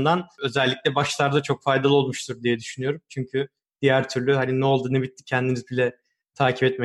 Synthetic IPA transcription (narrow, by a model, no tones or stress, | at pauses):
nd̪anø̞zɛlʲːicʲlʲɛbaʃlˠaɾd̪at͡ʃʰo̞kfajd̪alˠɯo̞lˠmuʃt̪ʰuɾd̪ijɛd̪yʃynyjo̞ɾumt͡ʃʰyɲcʰy | d̪̥ijæɾt̪ʰyɾlʲyhaninɛo̞lˠd̪ɯːnɯbit̪ʰːi̥cʰɛnd̪imizbilʲɛ | t̪ʰaːcʰipɛt̪̚mɛ